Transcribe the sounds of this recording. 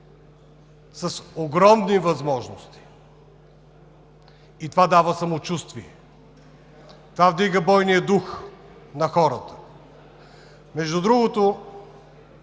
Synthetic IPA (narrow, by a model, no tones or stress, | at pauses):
sɐsoɡɾɔmnivɐzmɔʒnost̪i̥ | it̪ovad̪avəsɐmot͡ʃust̪viɛ̰ | t̪ovavd̪iɡəbɔjnijəd̪ux | nɐxɔɾət̪ə̥ | mɛʒd̪ud̪ɾuɡot̪o